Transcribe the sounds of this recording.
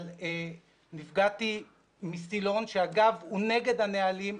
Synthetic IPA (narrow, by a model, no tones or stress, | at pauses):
e | nifɡat̪i | misilo̞nʃeaɡavhune̞ɡe̞d̪hanealim